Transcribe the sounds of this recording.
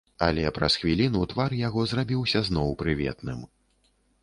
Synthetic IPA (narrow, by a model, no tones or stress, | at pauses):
ɐ̰lʲɛpɾɐsxvʲilʲinut̪varjaɣɔzrabʲiwsʲɐznɔwpɾɨvʲɛ̰t̪nɨm